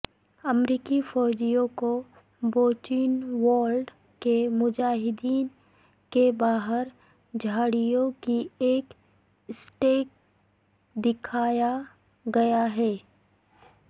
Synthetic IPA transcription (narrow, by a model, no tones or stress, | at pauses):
ɐmɾiːkifɔːd͡ʒijõko | boːt͡ʃiːnwaːlɖ | kemʊd͡ʒaːɦɪd̪iːn | kebaːɦəɾ | d͡ʒʱaːɽijõkieːk | sʈeːk̚ | d̪ɪkʰaːja | ɡɐjaɦɛː